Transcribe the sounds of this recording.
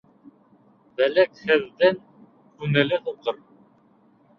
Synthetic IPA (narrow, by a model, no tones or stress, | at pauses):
bælækhɘ̆ðːæŋ | kʉnɘ̆lɘt̪ut̪ɤɾ